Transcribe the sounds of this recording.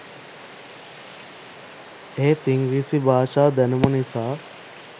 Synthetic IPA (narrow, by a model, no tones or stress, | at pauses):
eːt̪iŋɡɾisibʱaːʃaːd̪ænumɐnisaː